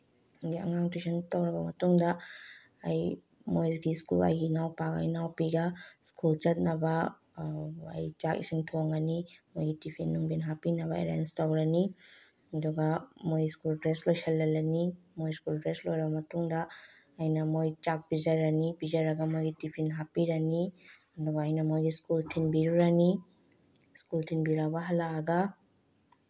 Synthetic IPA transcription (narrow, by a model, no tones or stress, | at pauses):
ɡiɐ̰ŋaŋtesɐntɐwɾɐbɐmɐtuŋdɐː | j | mojɡiskṵlɐ̰jɡinawpaka̰jnawpiɡɐskult͡ʃɐt̚nɐbɐ | ɐ̰jt͡ʃakḭsiŋtʰoŋɐnimojɡitipʰinːuŋbinɦapinɐβɐḛɾa̰nstɐwɾɐni | ɐduɡɐmojskuldɾeslojsʰɐlːɐlɐni | mojskuldɾeslojɾɐbɐmɐtuŋdɐː | jnɐmojt͡ʃak̚bid͡ʒɐɾːɐnibizɐɾɐɡɐmojɡitipʰinɦapiɾɐni | ɐduɡɐːjnɐmojɡiskultʰinbiɾuɾani | skultʰinbiɾawbɐɦɐlaːɡɐ